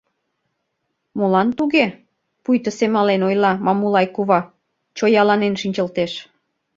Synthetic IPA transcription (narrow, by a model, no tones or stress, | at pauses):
molɑnt̪uɣe | pujt̪əsemɑlenojlɑmɑmulɑjkuβɑ | t͡ɕojɑlɑnenʃinʲt͡ɕə̆lt̪eʃ